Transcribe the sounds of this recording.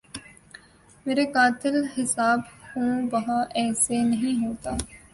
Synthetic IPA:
meːɾeːkaːt̪ɪlɦɪsaːbhũːʋɐɦaʔɛːsenəɦĩːɦoːt̪aː

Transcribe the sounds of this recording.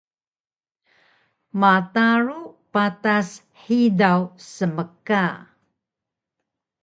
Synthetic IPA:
mataɾupatas | ħidawsəməka

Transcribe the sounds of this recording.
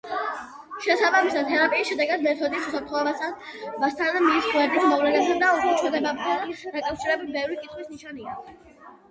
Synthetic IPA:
ʃɛsabamisad̪̚t̪ʰɛɾapʼiːsʃɛd̪ɛɡad̪mɛɾt̪ʰɔd̪isusap̚ʰɾt̪χɔɛbasabast̪ʰand̪amisuɛɾd̪ismɔvlɛnɛp̚t̪ʰand̪aukʰɾɛt͡ʃʰɛɾd̪ɛbamt̪ʰand̪akʼafʃiɾɛbit̪bɛvɾikʼit̪χwisniʃania

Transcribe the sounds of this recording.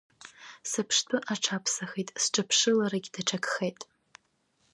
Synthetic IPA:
sɨpʰʂtʰɨʔaʈ͡ʂʰapʰsaχetʼsʈ͡ʂʼɨpʰʂɨlaɾaɡʲdaʈ͡ʂʰakχejtʼ

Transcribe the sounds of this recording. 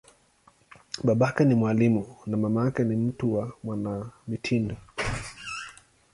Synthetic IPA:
ɓaɓakanimwalimunamamaakanim̩tuwamwanamitʰindɔ

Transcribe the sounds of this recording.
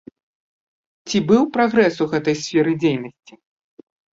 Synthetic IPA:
t͡sʲibɨwpɾaɣɾɛsuɣɛt̪ɐjsʲfʲɛɾɨd͡zʲejnɐsʲt͡sʲi

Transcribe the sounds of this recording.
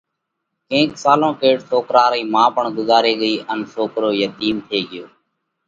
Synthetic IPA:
kẽːksaːlõːkeːɽsoːkɾaːɾiːmãːpəɳɡʊzaːɾeːɠəiːʔənsoːkɾoːjət̪iːmt̪ʰeːɠɪjoː

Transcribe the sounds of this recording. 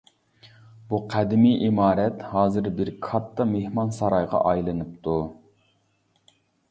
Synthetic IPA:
buqʰæd̪ɪmiʔimɑːɾɛt̪hɑːzɨɾbɪɾkʰɑt̪ʰːɑmehmɑnsɑɾɑjʁɑ̰ʔɑjlˠɨnɨp̚t̪ʰu

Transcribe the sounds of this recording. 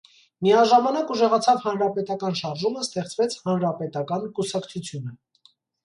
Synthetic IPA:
miɑʒɑmɑnɑkuʒɛʁɑt͡sʰɑvhɑnɾɑpɛt̪ɑkɑnʃɑɾʒuməst̪ɛχt͡svɛt͡sʰhɑnɾɑpɛt̪ɑkɑnkusɑkt͡sʰut͡sʰjunə

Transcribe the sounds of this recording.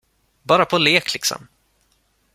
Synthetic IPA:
bɑːɾapʰɔleːklɪksɔ̰m

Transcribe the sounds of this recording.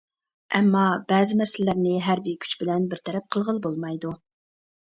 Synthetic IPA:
ʔɛmːɑb̥ɛːzɪmɛsɪllːɪɾnɪɦæɾbikʲʰy̥t͡ʃbɪlɛnbɪɾt̪ʰɛɾɛp̚qʰəlˠʁəlˠbolˠmɑjd̪u

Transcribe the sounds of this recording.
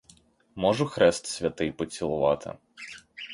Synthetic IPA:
mɔʐʊxɾɛst̪sʲʋʲɐt̪ɪjpɔt͡sʲilˠʊʋɑ̰t̪ʰɪ̰

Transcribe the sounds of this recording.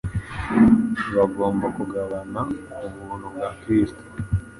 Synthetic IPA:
βaɡo̞ːmbakuɡaβanaumuːn̤ubɡakɾiːsto̥

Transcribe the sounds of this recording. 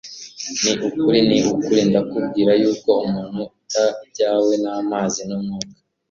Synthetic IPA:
niʔukuɾiniʔukuɾiːndakub̚ɡiːɾajuːko̞umuːn̥huutabɟaːwe̞namaːzinomŋuːkḁ

